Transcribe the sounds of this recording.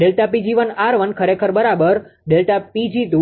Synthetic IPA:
ɖelʈapid͡ʒiʋənaɾʋənkʰəɾekʰəɾbəɾabəɾɖelʈapid͡ʒid̪u

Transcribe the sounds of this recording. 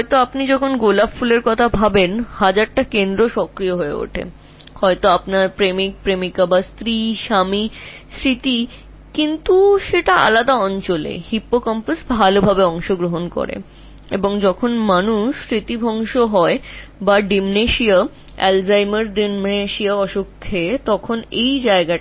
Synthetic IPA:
ɦɔjt̪oapnid͡ʑɔkʰonɡolabfuleɾkɔt̪ʰabʱabenhad͡ʑaɾʈakend̪ɾoʃɔkɾijoɦoeo̰ʈʰḛ | hɔet̪oapnaɾpɾemik̚pɾemikabast̪ɾiʃamisɾit̪i | kint̪uʃeʈaa̰lad̪aɔnt͡ɕolḛhipːokɔmpasbʱalobʱabeɔŋʃoɡɾoɦonko̰ɾḛ | ḛboŋd͡ʑɔkʰonmanuʃɾit̪ibʱɔŋʃoɦɔebaɖimneʃia | ɛ̰lzajmaɾɖimmneʃiaɔʃokʰːet̪ɔkʰonejd͡ʑaeɡa

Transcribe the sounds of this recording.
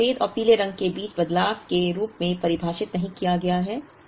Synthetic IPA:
eːd̪ɔːɾpiːleɾɐ̃ŋɡ̚kebiːt͡ʃbɐd̪laːʋkeɾuːpmẽpɐɾɪbʱaːʃɪt̪nɐɦĩkijaɡɐjaɦɛː

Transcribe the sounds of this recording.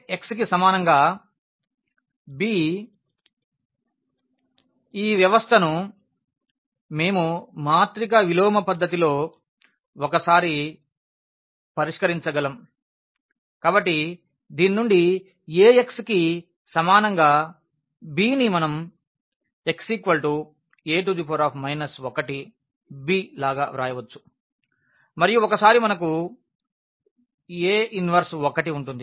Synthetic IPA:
e̞kskisɐmaːnɐŋɡaː | biː | iːʋjɐʋɐst̪ʰɐnu | me̞ːmumaːt̪ɾikɐʋilɔːmɐpɐd̪ːɐt̪̬ilo̞ː | okɐsaːɾi | pɐɾiʂkɐɾiɲt͡ʃɐɡɐlɐm | kaːbɐʈːi | d̪iːninuɳɖi | eːekski | sɐmaːnɐŋɡaː | biːnimɐnɐm | e̞ksikʋɐlʈu | e̞ːʈ̬ud̪ipʰoːɾaːpʰmɐjnɐsokɐʈi | biːlaːɡaːʋɾaːjɐʋɐt͡ʃːu̥ | mɐɾijuɔkɐsaːɾimɐnɐk̬u | eːʔinʋɐɾsɔkːɐʈiuɳʈund̪i

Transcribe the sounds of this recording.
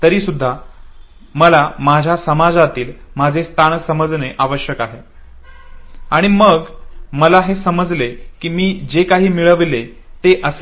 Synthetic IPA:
t̪əɾiːsud̪ʱːa | məlamad͡ʑʱjasəmad͡zat̪iːlmad͡zʱest̪ʰaɳsəməd͡zneʔaʋəɕjəkaɦe | aɽ̃iməɡməlaɦesəməd͡zlekiːmiːd͡ʑekaɦiːmiɭəʋle | t̪eʔəs

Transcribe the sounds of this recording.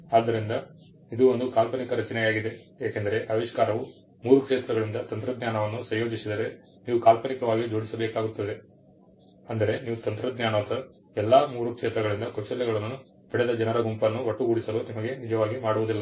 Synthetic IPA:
aːd̪ːɐɾind̪ɐ | id̪uond̪ukaːlkɐnikɐɾɐt͡ʃinɛjaːɡid̪e̞ | eːkend̪ɐɾe̞ʔɐʋiʂkaːɾɐʋu | muːɾukʂeːt̪ɾɐɡɐɭind̪ɐt̪ɐnt̪ɾɐd̪njaːnɐʋɐnːusɐjjo̞ːd͡ʒisid̪ɐɾe̞ | niːʋukaːlkɐnikɐʋaːɡid͡ʒo̞ːɽisɐbeːkaːɡut̪ːɐd̪e̞ | ɐnd̪ɐɾe̞niːʋut̪ɐnt̪ɾɐd̪njaːnɐt̪ɐ | ɛlːaːmuːɾukʂeːt̪ɾɐɡɐɭind̪ɐkot͡ʃːɐljɐɡɐɭɐnːu | bɛɽɛd̪ɐd͡ʒɐnɐɾɐɡumpɐnːuʋɐʈːuɡuɽisɐlunimɐɡe̞nid͡ʒɐʋaːɡimaːɽuʋud̪ilːɐ

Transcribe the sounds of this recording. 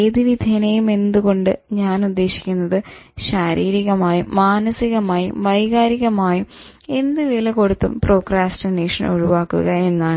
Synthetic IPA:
eðiʋid̪ʱjɐnejume̞nd̪uɣo̞ɳɖɨɲaːnud̪ːe̞ːɕi̥kʲːunːɐðɨɕaːɾiːɾiɣɐmaːjimaːnɐsiɣɐmaːjḭʋɐjɣaːɾiɣɐmaːji | e̞nd̪ɨʋilɐko̞ɽut̪ːṵmpro̞ːkraːstɐneːʂɐno̰ɻuʋaːkːṵɣɐe̞nːaː

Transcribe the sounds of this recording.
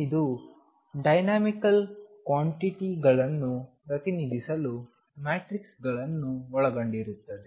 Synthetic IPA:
id̪u | ɖɐjnaːmikɐlkʋaːɳʈiʈiɡɐɭɐnːupɾɐt̪inid̪ʱisɐlu | maːʈɾiksɡɐɭɐnːuɔɭɐɡoɳɖiɾut̪ːɐd̪e

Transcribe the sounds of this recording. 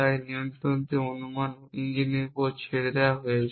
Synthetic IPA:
aenijont̪ɾont̪eonuman | iɲd͡ʑinikot͡ɕʰeɽɾeaɦoje

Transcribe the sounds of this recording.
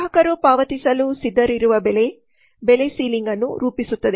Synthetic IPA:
ɐkɐɾupaːʋɐt̪isɐlusid̪ːɐɾiɾuʋɐbele | belesiːliŋɡɐnːṵɾuːpisut̪ːɐd̪e

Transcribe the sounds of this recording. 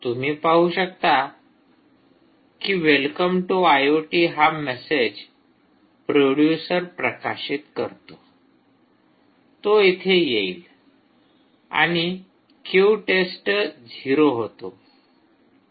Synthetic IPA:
t̪um̤iːpaɦuɕək̚t̪a | kiʋelkəmʈuajoʈiɦamɛsed͡ʑ | pɾoɽjusəɾpɾəka̰ɕit̪kə̰ɾt̪o | t̪oit̪ʰejeil | a̰ɽ̃i | kuʈesʈd͡ʑʱiɾoɦot̪o̰

